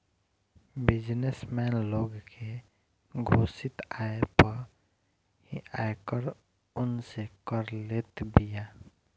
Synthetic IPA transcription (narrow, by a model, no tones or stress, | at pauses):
bɪd͡ʒnesmɛːnloːɡkʰe | ɡʱoːsɪt̪aepəɾ | ɦiʔaekəɾ | ʊnsekəɾlet̪bija